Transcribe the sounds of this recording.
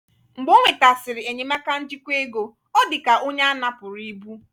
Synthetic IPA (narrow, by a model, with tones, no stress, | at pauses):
ŋ͡m̩˨ɡ͡bo˦ŋʷe˨ta˨sɪ˨ɾɪ˨e˨ɲe˦ma˦ka˦n̩˦d͡ʒi˦kʷe˦ɡo˨ | ɔ˦dɪ˨ka˨o˦ɲa˦a˦na˦pʊ˨ɾi˦bu˦